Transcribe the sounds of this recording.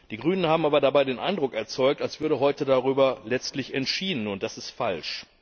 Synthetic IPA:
d̥iːɡʁyːnənhaːbm̩aːbɐdabaɪdeːnʔa̰ɪndʁʊkɛɐt͡sɔʏk̚talsv̥ʏɐɾəɦɔʏtədaʁyːbɐlɛt͡stlɪçɛntʃiːdn̩ʊn̚d̥asɪstfalʃ

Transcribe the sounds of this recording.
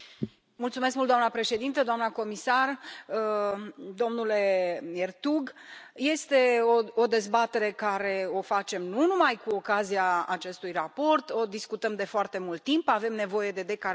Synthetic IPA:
mult̪sumeskmultd̪oamnəpɾe̞ʃe̞d̪int̪əd̪oamnəko̞misar | d̪o̞mnule̞ert̪uɡje̞st̪e̞ood̪e̞zbat̪e̞ɾe̞kaɾe̞o̞fat͡ʃe̞mnunumajkuokazijaat͡ʃe̞st̪ujrapo̞rt̪o̞d̪iskut̪əmd̪e̞foart̪e̞mult̪ːimpave̞mne̞vo̞je̞d̪e̞d̪e̞ka

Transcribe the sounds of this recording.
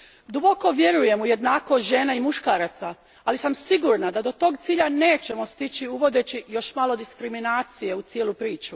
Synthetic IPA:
d̪ubo̞ko̞ʋje̞ɾuje̞muje̞d̪naːkoʒe̞ːnaimuʃkaːɾat̪sa | alisamsiɡuɾnad̪ad̪o̞t̪o̞ːɡt̪siːʎane̞ːt͡ɕe̞mo̞st̪it͡ɕiuʋo̞d̪e̞t͡ɕijo̞ʃmaːlˠo̞d̪iskɾiminaːt̪sije̞ut̪sjeːlupɾiːt͡ʃu

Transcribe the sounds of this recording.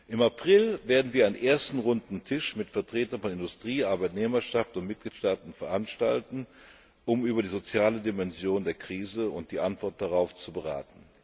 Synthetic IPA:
ʔɪmapʁ̥ɪlveːɐdn̩viːɐaɪnənʔeːɐstn̩ʁʊndn̩tʰɪʃmɪtfɛɐtʁ̥eːtɐnfɔnɪndʊstʁ̥iːʔaɐbaɪtneːmɐʃaftʊntmɪt̚ɡ̥liːtʃtaːtn̩fɛɐʔanʃtaltn̩ | ʔʊmyːbɐɾiːzot͡sjaːlədimɛnzjoːndeːɐkʁ̥iːzəʊnt̚d̥iːʔantv̥ɔɐt̚d̥aʁaʊft͡subəʁa̰ːtn̩

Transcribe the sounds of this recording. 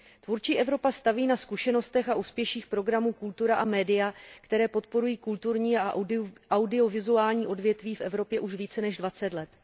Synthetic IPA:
t̪vuɾt͡ʃiːʔɛvɾo̞past̪aviːnaskuʃɛno̞st̪ɛxaʔuːspjɛʃiːxpɾo̞ɡɾamuːkult̪uɾaʔamɛːdɪjakt̪ɛɾɛːpo̞t̪̚po̞ɾujiːkult̪uɾɲiːaʔawdɪo̞vɪzuaːlɲiːʔo̞dvjɛt̪viːfʔɛvɾo̞pjɛʔuʃviːt͡sɛnɛʒdvat͡sɛt̪lɛt̪

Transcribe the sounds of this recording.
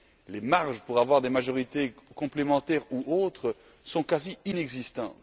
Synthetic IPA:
lemaʁʒpuʁavwaʁd̪emaʒɔʁit̪ekɔ̃plemɑ̃t̪ɛʁuʔot̪χə | sɔ̃kaziinɛɡzist̪ɑ̰̃t̪

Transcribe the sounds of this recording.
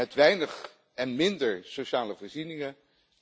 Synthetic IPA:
ɛtʋɛjnəχ | ɛnmɪndəɹsowʃaːləvɔːɹzinɪŋə

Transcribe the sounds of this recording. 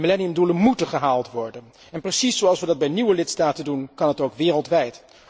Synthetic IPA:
milɛniəmdulənmutəχəɦaːlˠtʋɔɹdən | ɛnprəsisowɑlˠsʋədɑd̚bɛjniʋəlɪtstaːtəndunkɑnɦətowkʋɪːrəlˠtʋɛjt

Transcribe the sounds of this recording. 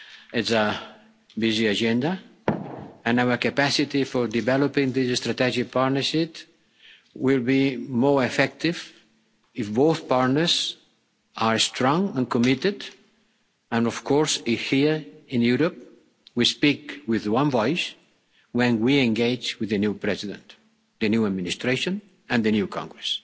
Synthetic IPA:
ɪtsa | biziad͡ʒɛ̃nd̪a | ɨ̃nawəɾkapasit̪ifɔɾd̪ivɛlopĩŋðisɨst̪ɾat̪ɛd͡ʒik̚paɾnəʃɪt | wilˠbimɔɹefɛk̚t̪iv | ɪfboθpaɾtnə˞z | aɹst̪ɾɔ̃ŋə̃nkɔmɪt̪ɪd̪ | ə̃nɔfkʰɔɹsɪhiɹɪ̃njuɾop̚ | wispikwɪðwãnvɔjs | wɛ̃nwiɛ̃ŋɡeɪd͡ʒwɪðənjupɾɛziðə̰̃nt̪ | dðɨnjuad̪mĩnist̪ɾeʃõn | ɨ̃nd̪ɨnjukʰɔ̰̃ŋɡɾɛs

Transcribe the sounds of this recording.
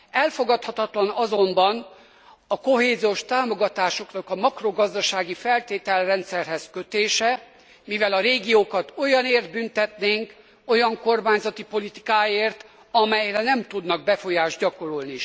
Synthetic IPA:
ɛlfo̞ɡɒt̪hɒt̪ɒt̪lɒnɒzombɒn | ɒko̞ɦeːzioʃt̪aːmo̞ɡɒt̪aːʃo̞knɒkɒmɒkro̞ɡɒzd̪ɒʃaːɡifɛlt̪eːt̪ɛlrɛnt̪sɛrɦɛzkøt̪eːʃɛ | mivɛlɒɾeːɡijoːkɒt̪o̞jɒneːrd̪̚bynt̪ɛt̪neːŋk | o̞jɒŋko̞rmaːɲzɒt̪ipo̞lit̪i̥kaːjeːrt̪ | ɒmɛjrɛnɛmt̪ud̪nɒɡ̚bɛfo̞jaːʒdɟɒko̞ɾolni

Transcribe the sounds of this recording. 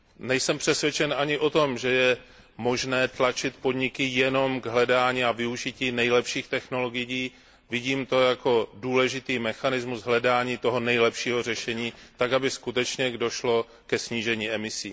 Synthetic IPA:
nɛjsɛmpr̥ɛsvʲjɛt͡ʃɛnʔaɲɪʔo̞t̪o̞mʒɛjɛ | mo̞ʒnɛːt̪lat͡ʃɪt̪po̞dɲɪkɪjɛno̞mɡɦlɛdaːɲiːavɪuʒɪciːnɛjlɛpʃiːxt̪ɛxno̞lo̞ɡɪjiː | vɪɟiːmt̪ojako̞duːlɛʒɪt̪iːmɛxanɪzmuzɦlɛdaːɲiːt̪o̞ɦo̞nɛjlɛpʃiːɦo̞r̝ɛʃɛɲiːt̪akabɪskut̪ɛt͡ʃɲɛɡdo̞ʃlo̞ | kɛsɲiːʒɛɲiːɛmɪsiː

